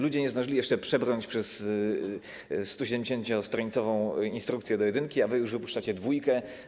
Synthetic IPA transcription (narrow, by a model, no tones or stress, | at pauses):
lud͡ʑɛɲɛzd̪aʐɘlʲijɛʂt͡ʂɛpʂɛbɾɔɲt͡ɕpʂɛs | st̪ɔɕɛd̪ɛmɲd͡ʑʲeɕẽɲt͡ɕɔst̪ɾɔɲit̪sɔvɔ̃w̃inst̪ɾukt̪sʲjɛd̪ɔjɛd̪ɘŋkʲiavɘjuʐvɘpuʂt͡ʂat͡ɕɛd̪vujkɛ